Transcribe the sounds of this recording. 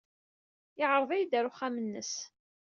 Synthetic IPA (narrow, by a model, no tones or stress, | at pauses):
ɪʕɾˤðˤæjd̪æɾʊχamənːə̰s